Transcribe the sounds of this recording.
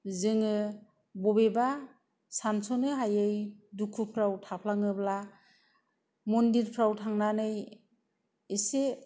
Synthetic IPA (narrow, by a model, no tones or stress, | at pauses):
zɯŋɯ | bɔbeba | sansɔnɯɦajɯjdukʰupʰɾawtʰapʰlaŋɯbla | mɔndiɾpʰɾawtʰaŋnanɯj | ise